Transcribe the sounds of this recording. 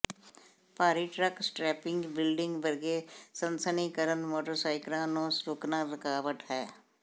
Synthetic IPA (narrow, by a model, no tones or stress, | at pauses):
paːɾiːʈɾəksʈɾɛːpɪ̃ŋɡbɪlɖɪ̃ŋɡbəɾɡeːsənsəniːkəɾənmoːʈəɾsaːɪkɾãːnõːsɾʊːknaːɾəkaːʋət̪ɦɛː